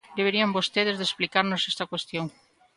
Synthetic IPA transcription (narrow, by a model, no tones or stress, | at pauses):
d̪eβeɾiɐmbost̪eð̞ezðesplikaɾnosɛst̪ɐkwest̪joŋ